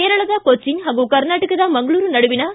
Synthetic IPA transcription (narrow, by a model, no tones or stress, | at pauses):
eɐɾɐɭɐðaːkot͡ʃːɪnɦɐɡokɐɾnaːʈːɯkːɯt̪ãːnmɐŋɡɐɭuːɾɯnɐɽɯʋɪnaː